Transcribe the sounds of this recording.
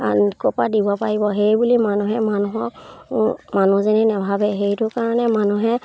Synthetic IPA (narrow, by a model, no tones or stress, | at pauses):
kɔpadibapaɹibɔxejbulimanuɦɛmanuɦɔk | manuzɛnɛnɛbʱabɛxejtʊkaɹɔnɛmanuɦɛ